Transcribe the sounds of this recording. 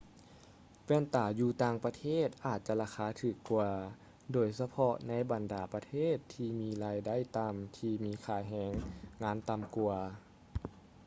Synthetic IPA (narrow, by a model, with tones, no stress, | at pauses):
pɛː˧˥˨nt̪aː˨˩juː˧t̪aː˧ŋpa˧t̪ʰeː˥˩˨t̪̚ʔaː˨˩t̪̚t͡ɕa˧laː˧xʰaː˧˥˦t̪ʰɯː˨˩kːu˧ɐ | doː˨˧˩jsa˧pʰɔ˧na˧˥jba˨˩ndaː˨˩pa˧t̪ʰeː˥˨t̪ʰːiː˧miː˧˥laː˧jda˥˨jt̪a˧mt̪ʰiː˧miː˧˥kʰaː˧˩ɦɛː˧˥ŋːŋaː˧˥nt̪a˧˨mku˧ɐ